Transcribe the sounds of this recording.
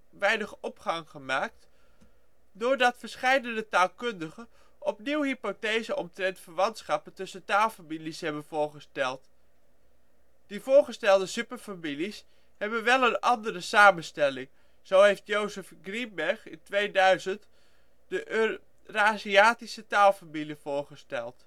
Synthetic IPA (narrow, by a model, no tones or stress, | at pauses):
ʋɛjnəχɔpχɑŋχəmaːk̚t | dʊːɹdɑtfəɹsχɛjdəndətaːlˠkɵndəχən | ʔɔpniwɦipotejzəɔmtrɛntfəɹʋɑntsχɑpəntɵsəntaːlˠfamilisɦɛbənvʊːɹχəstɛlˠt | d̥ivʊːɹχəstɛlˠdəsypəɹfamilis | hɛbənʋɛlˠənɑndərəsaːmənstɛlɪŋ | z̥owɦejftjowzəfɡrimbɛɹχɪntʋejdœɥzənt | d̥əʔ | raːziaːtisətaːlˠfamiliv̥ʊːɹχəstɛlˠt